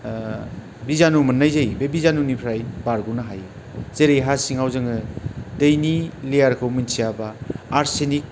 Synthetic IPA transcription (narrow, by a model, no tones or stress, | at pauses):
bizanumɯnːajzajbebizanunipʰɾajbaɾɡunaɦajɯ | zeɾejɦasiŋawzɯŋɯdɐjnilejaɾkʰawminsʰijabaːɾsenik̚